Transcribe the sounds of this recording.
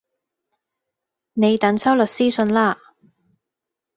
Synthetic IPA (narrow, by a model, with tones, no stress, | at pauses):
ne˨˧jt̪ɐ˨˥ŋt͡sʰɐ˥wlɵ˨t̚siː˥sɵ˧nlaː˥